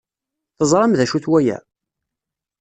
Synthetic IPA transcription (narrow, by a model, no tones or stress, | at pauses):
θəzˤɾˤɑmðæʃuθwæjæ̰